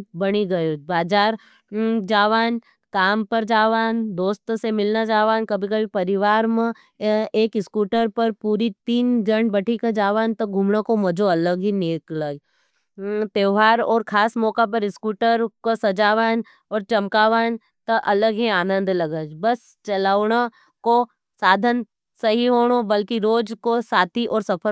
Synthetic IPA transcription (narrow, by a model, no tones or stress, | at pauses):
bɐɽ̃iɡɐjoːd͡ʒbaːd͡ʒaːɾ | d͡ʒaːʋaːn | kaːmpɐɾd͡ʒaːʋaːnd̪oːst̪semɪlnad͡ʒaːʋaːnkɐbʱikɐbʱipɐɾɪʋaːɾmẽ | eːkɪskuːʈəɾpɐɾpuːɾit̪iːnd͡ʒɐɳbɐʈʰikad͡ʒaːʋaːnt̪ɐɡʱumnakomɐd͡ʒʱoɐləɡɦineːkləɡ | t̪eːʋɦaːɾɔːɾkʰaːsmɔːkap̬ɐɾɪskuːʈəɾkosɐd͡ʒaːʋaːn | ɔːɾt͡ʃɐmkaːʋaːn | t̪ɐʔɐləɡɦiaːnə̃nd̪lɐɡəd͡ʒbɐs | t͡ʃɐlaːɽa | ko | saːd̪ʱən | sɐɦiɦoːɽ̃obɐlkiɾoːd͡ʒkosaːt̪ʰiʔɔːɾsɐpʰə